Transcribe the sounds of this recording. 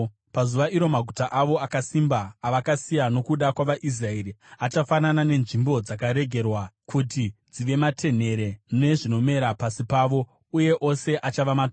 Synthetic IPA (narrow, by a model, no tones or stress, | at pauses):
pazuʋaiɾo̞maɡʱutaʔaʋo̞akasimbaːʋakasijano̞kuɗakwaʋaʔis̬rae̞ɾiat͡ʃafananane̞nʐimbo̞d͡zakaɾe̞ɡʱe̞rwakʰutid͡ziʋe̞matʰe̞n̤e̞ɾe̞ne̞ʐino̞me̞ɾapasipaːʋo̞ | uje̞ʔo̞se̞ʔat͡ʃaʋamat